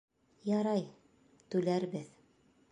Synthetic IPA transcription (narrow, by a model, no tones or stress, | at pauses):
jɑɾɑj | t̪ʉlæɾbɘð